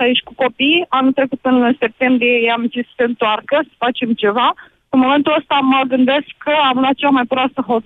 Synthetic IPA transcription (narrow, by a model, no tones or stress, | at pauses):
ajeʃʲkuko̞pijanult̪ɾe̞kut̪ɨnse̞p̚t̪e̞mbɾijejeamk̪isə̥se̞ɨnt̪oarkəsə̥fat͡ʃe̞mt͡ʃe̞va | ɨnmo̞me̞nt̪uləst̪aməɡɨnd̪e̞skʰːəamlwat̪̚t͡ʃeamajpɾoasəɦo̞t̪